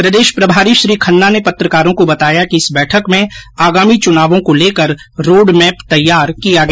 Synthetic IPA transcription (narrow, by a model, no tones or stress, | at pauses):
pɾɐd̪eːʃpɾɐbʱaːɾiʃɾiːkʰɐnːanepɐt̪ɾəkaːɾõkobɐt̪aːjakiɪsbɛːʈʰəkmẽaːɡaːmit͡ʃʊnaːʋõkoleːkəɾ | ɾoːɖmɛːpt̪ɐjːaːɾkijaɡɐ